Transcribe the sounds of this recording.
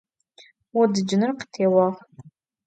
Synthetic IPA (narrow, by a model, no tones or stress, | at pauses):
wʊdɨd͡ʒɪnɨrqə̥tʰeːwɐʁ